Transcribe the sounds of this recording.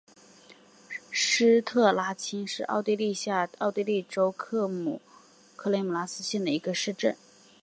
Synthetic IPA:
ʂɻ̩˥t̪ʰɤ˥˩la˥t͡ɕʰi˥ŋʂɻ̩˥˧ʔɑ̰˥˧ʊt̪i˥˧li˥˧ɕja˥˧˩ɑ˥˧ʊt̪i˥˧li˥˩ʈ͡ʂo˥ʊkʰɤ˥˩mṵ˨˩ | kʰɤ˥˩le˥ɪmu˨˩la˧˥sɹ̩˥ɕjɛ˥˩nd̪ə˩i˧˥ɡə˧ʂɻ̩˥˧ʈ͡ʂə̰˥˩n

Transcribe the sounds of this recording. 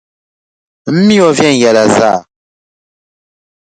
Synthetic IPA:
m̩˦mi˦ɔ˨vjɛ˦˨n˨jɛ˨la˨za˦˨

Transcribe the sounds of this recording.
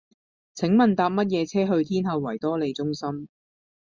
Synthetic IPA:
t͡sʰɪ˨˥ŋmɐ˨nt̪aː˧p̚mɐ˥t̬̚jɛː˨˧t͡sʰɛː˥ɦɵ˧ɥt̪ʰiː˥nɦɐ˨˧wːɐ˨˩jt̪ɔː˥le˨˧jt͡sʊ˥ŋsɐ˥m

